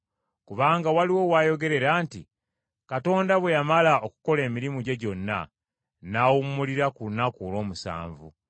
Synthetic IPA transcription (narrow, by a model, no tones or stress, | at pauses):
kuβaːŋɡawaliwo̞waːjo̞ɡe̞ɾe̞ɾaːntḭ | kato̞ːndaβwe̞jamalaoku̥ko̞le̞ːmiɾimuɟe̞ɟo̞nːa̰ | naːwumuliɾakunakulo̞ːmusa̰ːɱvṵ